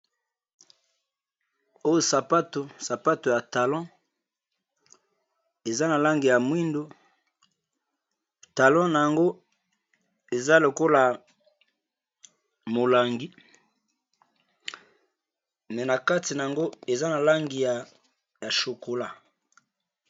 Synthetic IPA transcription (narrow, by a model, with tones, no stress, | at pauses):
o˦jo˨sa˨pa˦to˨sa˨pa˦to˨ja˨ta˨lɔ̃˦ | e˨za˦na˨la˦ŋɡi˨ja˨mwi˦ndo˨ | ta˨lɔ̃˦na˨ja˨ŋɡo˦ | e˨za˦lo˨ko˦la˨ | mo˨la˨ŋɡi˦ | mɛ˨na˨ka˦ti˨na˨ja˨ŋɡo˦e˨za˦na˨la˦ŋɡi˨ja˨ | ja˨ʃo˨ko˨la˦